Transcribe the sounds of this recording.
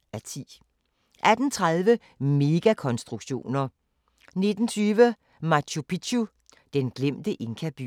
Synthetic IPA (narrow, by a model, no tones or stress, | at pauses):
æt͡sʰḭː | ʔæd̥n̩t͡sʰʁaðˠʋə | me̝ɡ̥ækʰɒ̽nsd̥ʁuɡ̥ɕo̝̰ːnɐ | ne̝d̥n̩t͡sʰyːʋə | mɑ̈ɕʰupʰidʰu | d̥enɡ̥lem̰d̥əʔe̝ŋkʰæb̥y̰